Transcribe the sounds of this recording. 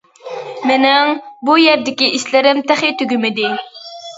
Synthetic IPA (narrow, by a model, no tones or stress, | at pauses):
mɪnɛŋbujɛɾd̪ɪkʲiʔiʃlɪɾɪmt̪ʰæχit̪ʰøɡʲymɪd̪ɪ